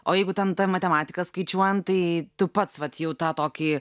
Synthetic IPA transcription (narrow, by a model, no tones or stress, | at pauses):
oːjɛɪɡʊt̪ʲɛnt̪ɐmɐt̪ʲɛmɑːt̪ʲɪkɐskɐɪt͡ʃʲuɔjɛnt̪ɐɪt̪ʊpɐt̪sʋɐt̪jɛʊt̪ɑːt̪oːkʲi